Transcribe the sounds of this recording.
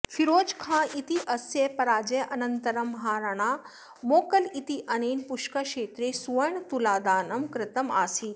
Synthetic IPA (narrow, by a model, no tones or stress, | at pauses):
fiɾoːd͡ʒkʰãːʔit̪iʔɐsjepɐɾaːd͡ʒeʔɐnɐnt̪ɐɾɐmɦaːɾɐɽ̃aː | moːkɐlit̪iʔɐneːnpʊʃkɐʃeːt̪ɾesuʋɐɳt̪ulaːd̪aːnɐmkɾɪt̪ɐma̰ːsiː